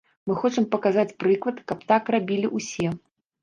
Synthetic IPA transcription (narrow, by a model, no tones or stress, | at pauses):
mɨxɔt͡ʂɨmpɐkazat͡sʲpɾɨklˠɐt̪kɐpt̪akrabʲilʲiʔusʲɛ